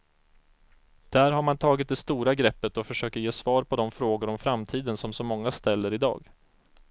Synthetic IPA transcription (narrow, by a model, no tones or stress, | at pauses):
d̪̥æɾɦaɾmant̪ʰɑːɡɪt̪̚d̪ɛst̪uːɾaɡɾɛpːət̪ɔfœʂøːkət̪jeːsvɑːɾpʰɔd̪ɔmfɾoːɡʊɾɔmfɾamt̪ʰiːd̪ənsɔmsɔmɔŋːast̪ɛlːəɾɪd̪ɑ̰ːɡ